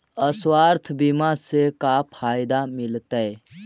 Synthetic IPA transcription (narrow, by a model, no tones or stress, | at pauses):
əswaːɾt̪ʰbɪmasekapʰaːjd̪amɪlt̪ə